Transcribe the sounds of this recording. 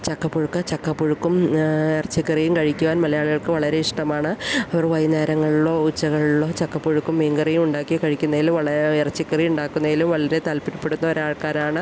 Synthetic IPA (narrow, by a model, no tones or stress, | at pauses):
t͡ɕɐkːɐpːoɻukːɨt͡ɕɐkːɐpːoɻukːumirɐt͡ɕːikːɐrijumkɐɻikʲːuʋaːnmɐlɐjaːɭuɣɐɭkɨʋɐɭɐɾe̞iʂʈɐmaːɳɨɐʋɐrʋɐjne̞ːɾɐŋːɐɭuɭːo̞ːut͡ɕːɐɣɐɭiɭːo̞ːt͡ɕɐkːɐpːoɻukːumːeːŋɡɐrijumuɳɖaːkːijkɐɻikʲːunːɐɣilumʋɐɭɐirɐt͡ɕːikːɐrijuɳɖaːkːunːɐɣilumʋɐɭɐɾe̞t̪aːlpiɾupːe̞ɽunːɐoɾaːɭkaːɾaːɳɨ